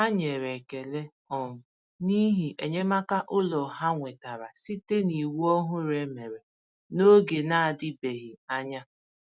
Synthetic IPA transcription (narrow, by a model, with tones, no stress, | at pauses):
a˦ɲe˨ɾe˨ke˨le˦ | ɔ˨ŋʊ˨ | ni˦ɦi˨ʔe˨ɲe˦ma˦ka˦ʔʊ˦lɔ˨ɦa˦ŋʷe˨ta˨ɾa̰˨si˦te˦ni˨wɔ˦ɦʊ˦ɾe˨˦me˨ɾe˨ | no˦ɡe˨na˦a˨dɪ˦be˨ɣi˨a˦ɲa˦